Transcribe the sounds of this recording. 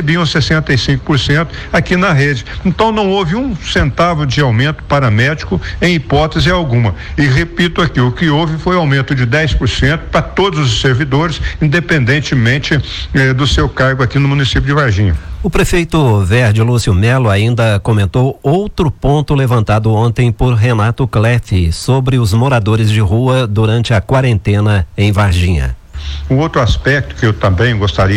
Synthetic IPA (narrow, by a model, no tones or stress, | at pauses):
ebiɐ̃w̃sesẽnt̪ejsĩŋkʊ̥poɾsẽnt̪ʊ̥ | akinɐɦed͡ʒɪẽnt̪ɐ̃w̃nɐ̃w̃ovɪũsẽnt̪avewd͡ʒɪawmẽnt̪ʊ̥paɾɐmɛd͡ʒikʊẽj̃ipɔt̪ezɪawɡũmɐɪɦepit̪ʊakiʊkɪowvɪfojuawmẽnt̪ʊd͡ʒɪd̪ɛjspʊɾsẽnt̪ʊ̥pɾɐt̪od̪ʊzʊsːeɾvid̪oɾɪsĩnd̪epẽnd̪ẽnt͡ʃɪmẽnt͡ʃɪ | ɛd̪ʊsewkaɾɡʊakinʊmũnisipjʊd͡ʒɪvaɾʒĩɲɐʊpɾefejt̪ʊveɾd͡ʒɪlusiʊmɛlʊaĩnd̪ɐkõmẽnt̪owowt̪ɾʊpõnt̪ʊlevɐ̃nt̪ad̪ʊõnt̪ẽj̃poɾɦenat̪ʊklɛfɪsobɾɪʊzmoɾad̪oɾɪzd͡ʒɪɦuɐd̪uɾɐ̃nt͡ʃɪɐkwaɾẽnt̪ẽnɐẽj̃vaɾʒĩɲɐ̰ | ʊowt̪ɾʊaspɛk̚t̪ʊ̥kɪewt̪ɐ̃mbẽj̃ɡost̪aɾi